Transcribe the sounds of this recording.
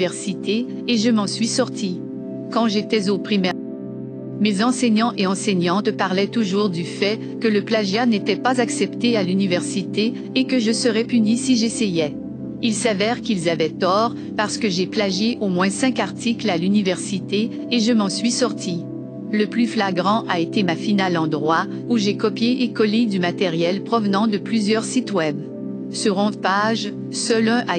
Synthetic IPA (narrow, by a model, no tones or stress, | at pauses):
vɛʁsit̪eː | ʒəmɑ̃sɥisɔʁt̪i | kɑ̃ʒet̪ɛzopχimɛ | mezɑ̃sɛɲɑ̃ʔeɑ̃sɛɲɑ̃t̪paʁlɛt̪uʒuʁd̪yfɛ | kələplaʒjanet̪ɛpazaksɛpt̪ealynivɛʁsit̪eː | kəʒəsəʁɛpynisiʒesejɛ | ilsavɛʁkʲilzavɛt̪ɔːʁ | paʁsə̥kəʒeplaʒeʔomwɛ̃sɛ̃kaʁt̪iklalynivɛʁsit̪eː | ʒəmɑ̃sɥisɔʁt̪ʰi | ləplyflaɡʁɑ̃ʔaet̪emafinalɑ̃d̪ʁwa | uʒekɔpjeʔːkɔled̪ymat̪eʁjɛlpχɔvnɑ̃d̪əplyzjœʁsit̪wɛb | syʁɔ̃d̪paʒ | sœlœ̃ʔa